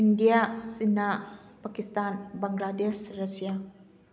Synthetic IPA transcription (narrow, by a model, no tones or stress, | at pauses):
indiasinapakist̪anbaŋɡladɛsrasia